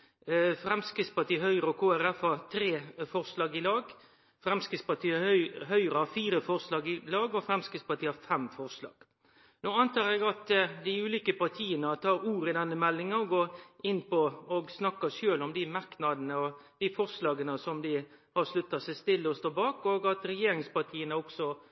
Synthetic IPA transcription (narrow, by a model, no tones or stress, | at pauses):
fɾɛmskɾɪt̪spɑʈ̪iːəhœʏɾəɔkʰoːæɾɛfhɑɾt̪ʰɾeːfɔɾslɑːɡɪlɑːɡ | fɾɛmskɾɪtspɑt̪iːɦœʏɾəhɑfiːɾəfɔɾslɑːɡɪlɑːɡɔfɾɛmskɪtspɑt̪ʰiːəhɑfɛmfɔɾslɑ̰ːɡ̥ | noːɑnt̪ʰɑːɾɛɡɑt̪d̪ɪʉːliːkəpɑɾt̪ʰiːənət̪ʰɑːɾuːɾəɪd̪ɛnːəmɛlːɪŋənɔɡoːɪnːpɔɔɡsnɑkːəʂøːlɔmd̪ɪmɑɾknɑd̪ənəɔd̪̥ɪfɔɾslɑːɡənəsɔmd̪ɪ | hɑʂlʉt̪ːɑsɛɪst̪ɪlːəɔst̪oːbɑːkɔɡɑt̪ɾɛjeːɾɪŋspɑt̪ʰiːənəɔksɔ